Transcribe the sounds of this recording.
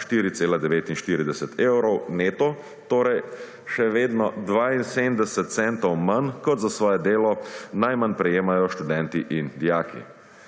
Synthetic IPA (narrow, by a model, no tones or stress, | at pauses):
ʃt̪iːɾit̪seːlad̪ɛʋeːt̪inʃt̪iːɾid̪ɛsɛt̪ʰewɾɔwneːt̪ɔ | t̪oːɾɛj | ʃɛʋeːd̪nɔd̪ʋaːinseːmd̪ɛsɛt̪̚t̪sɛnt̪ɔwmankɔt̪zasʋɔːjɛd̪eːlɔnajmanpɾɛjeːmajɔʃt̪ud̪ɛnt̪iʔind̪ijaːkʰḭ